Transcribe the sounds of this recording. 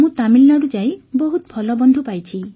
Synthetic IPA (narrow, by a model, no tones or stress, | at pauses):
mũt̪amilnaɾud͡ʒajbɔɦut̪ɔpʰɔlɔbɔnd̪ʱupajt͡ʃʰi